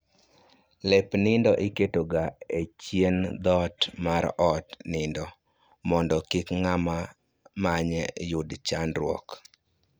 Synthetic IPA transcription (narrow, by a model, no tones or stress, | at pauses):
lepnɪndɔʔɪketoɡaet͡ʃjend̪ɔtmaɾɔtnɪndɔ | mɔndɔkikŋama | maɲɛjʊdt͡ʃanɾwɔ̰k